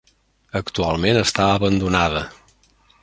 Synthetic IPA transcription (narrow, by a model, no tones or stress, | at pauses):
əkt̪ualˠmenəst̪aəβənd̪unaðə